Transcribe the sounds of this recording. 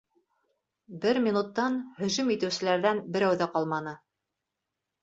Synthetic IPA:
bɘɾmʲinut̪ːɑnhɵ̆ʒɵmit̪ɘ̆wsɘ̆læɾðænbɘ̆ɾæwðæqɑlˠmɑnɤ

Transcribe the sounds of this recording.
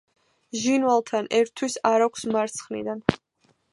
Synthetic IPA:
ʒinvalˠt̪ʰanɛɾt̪ʰːwisaɾakʷʰsmaɾt̪sʰχnḭd̪an

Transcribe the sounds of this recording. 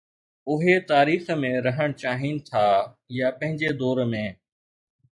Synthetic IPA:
ʊɦet̪aːɾiːxmẽɾɐɦəɽ̃t͡ɕaːɦinɪ̆t̪ʰaː | japɐ̃ɦɪ̃ɲd͡ʑed̪ɔːɾmẽː

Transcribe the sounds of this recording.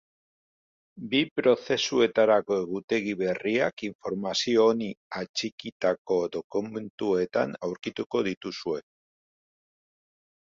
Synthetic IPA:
bipɾo̞θe̞sue̞t̪aɾako̞e̞ɣut̪e̞ɣ̞iβe̞riakiɱfo̞ɾmasio̞ːniat͡ʃikit̪ako̞d̪o̞kume̞nt̪ue̞t̪a̰nawɾkit̪uko̞ð̞it̪usue̞

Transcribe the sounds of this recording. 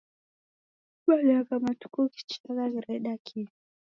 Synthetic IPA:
ɓalakamatu̥kɔki̥t͡ʃakaɣiɾɛɗakʰi

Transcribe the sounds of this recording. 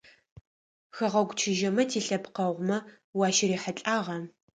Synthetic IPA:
xɐʁɐɡʷt͡ʃʰɪʒɐmɐtʰiːɬɐpqɐʁʷmɐ | wɑːʃɪriːħɐɬʼaːʁɐ

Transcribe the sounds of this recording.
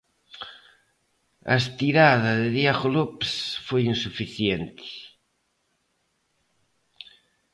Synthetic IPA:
a̰st̪iɾaðaðeðjaɣolopsfojinsufiθjent̪i̥

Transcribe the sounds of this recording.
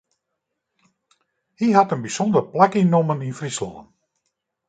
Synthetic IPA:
hiɦatənbisɔndərplakinoməninfrislɔ̰ːən

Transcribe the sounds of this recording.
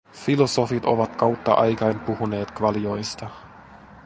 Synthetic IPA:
filo̞so̞fit̪o̞̰ʋɑt̪kɑwt̪ːɑ̰ʔɑ̰jkɑjnpuhune̞ːt̪kʋɑlijo̞jst̪ɑ

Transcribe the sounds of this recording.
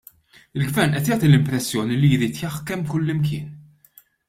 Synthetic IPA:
ɪlɡvɛɾnʔɛt̪jaːt̪ilɪmpɾɛsːjɔːnilijɾiːt̪jɐħkɛmːkʊlːɪmkɪːn

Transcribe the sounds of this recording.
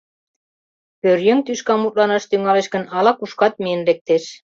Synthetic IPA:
pøɾjɘŋt̪yʃkɑmut̪̚lˠɑnɑʃt̪yŋɑleɕkɤ̆nɑlˠɑkuʃkɑt̪̚menɾek̚t̪eʃ

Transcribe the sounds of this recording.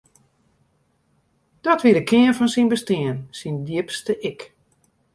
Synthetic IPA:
d̥ɔtʋiədəkʰɪənfɔnsinbəstɪənsindjɪəpstəʔɪk

